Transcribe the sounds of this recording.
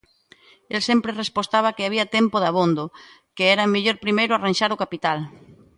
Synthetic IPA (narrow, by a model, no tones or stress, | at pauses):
elsempɾerespost̪aβ̞ɐkeaβ̞iɐt̪empoðaβõnd̪o | keɛɾameʎoɾpɾimejɾʊaranʲʃaɾokapit̪al